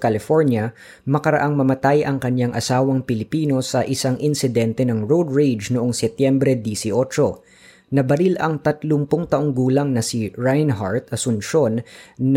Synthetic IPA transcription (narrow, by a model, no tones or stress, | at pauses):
kɐlɪfoɹnjɐ | mɐkɐɾɐ̰ʔaŋmɐmɐt̪ajʔɐŋkɐɲjaŋʔɐsaːwɐŋpɪlɪpiːno̞sɐʔɪsaŋʔɪnsɪd̪ɛnt̪ɛnɐŋɹowd̪ɹejd͡ʒnoʔoŋsɛt̪jɛmbɾɛd̪isɪʔo̞t͡ʃo̞ | nɐbɐɾilʔɐŋt̪ɐt̪lʊŋpoŋt̪ɐʔoŋɡuːlɐŋnɐsiɹajnɦaɹt̪ɐsʊnʃo̞nː